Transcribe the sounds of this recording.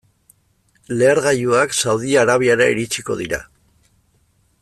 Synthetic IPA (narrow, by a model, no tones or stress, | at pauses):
le̞ːɾɣajuaksawðiaɾaβ̞iaɾaḭɾit͡ʃiko̞̰ðiɾa̰